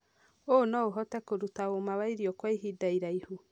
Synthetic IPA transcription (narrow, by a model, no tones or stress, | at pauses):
onɔoɦɔtɛkoɾutaomaβaiɾiɔkwaiɦidaiɾaihu